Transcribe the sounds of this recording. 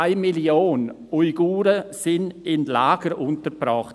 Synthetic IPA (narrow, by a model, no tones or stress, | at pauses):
aɪmiljoːn | uɪɡuːɾəsɪnɪnlaːɡ̥əɾʔʊntəɾpɾɔχt